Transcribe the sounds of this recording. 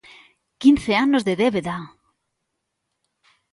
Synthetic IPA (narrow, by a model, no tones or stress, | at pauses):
kinθeanozðeðeβeða